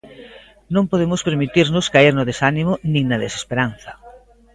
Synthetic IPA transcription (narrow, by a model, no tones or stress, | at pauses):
nõmpoðemʊspeɾmit̪iɾnʊskaiɾnʊðesanimʊnĩŋnɐðese̥speɾan̟θɐ̥